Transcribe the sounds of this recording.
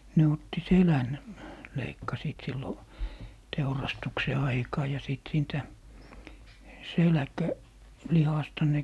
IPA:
ne otːi selæn leikːɑsiːt silːo teurɑstukse ɑikɑː jɑ siˑt siːntæ selæ̆kæ lihɑstɑ ne

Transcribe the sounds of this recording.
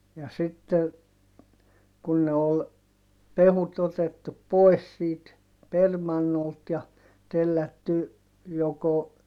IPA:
jɑ sitːe kun ne ol peʋut otetːup̆ poes siːt permɑnːolt jɑ telːætːy joko

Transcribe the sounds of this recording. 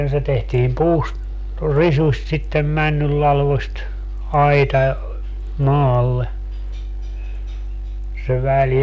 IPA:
se tehtiːm puːst risusʲt sitːem mænːylːɑlʋost ɑitɑ mɑːlːe se ʋæl

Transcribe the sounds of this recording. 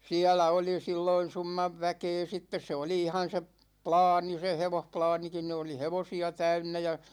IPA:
siælæ oli silːoin̞ sumːɑʋ ʋækeː sitːes se oli ihɑn̞ se p plɑːni se heʋohplɑːnikin ni oli heʋosiɑ tæynːæ jɑ

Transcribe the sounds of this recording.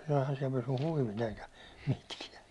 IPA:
ɛihæn siɛl pysy huiʋit eikæ mitkiɛ

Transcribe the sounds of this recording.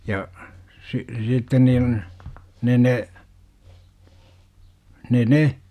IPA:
jɑ si sitːen niːn ne ne ne ne

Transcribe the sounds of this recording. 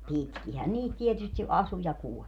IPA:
pitkihæn niːt tietysti ʔɑsu jɑ kuɔlʲ

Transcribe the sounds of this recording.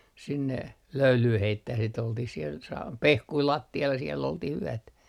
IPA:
sinːe løylyː heitːæh sit oltih siel sɑ pehkui lɑtːiɑl jɑ sielː oltih yætæ

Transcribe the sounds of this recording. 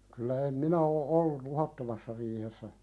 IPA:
kylæ em minæ oː ʔolːul̆ luhɑtːomɑsːɑ riːhesːæ

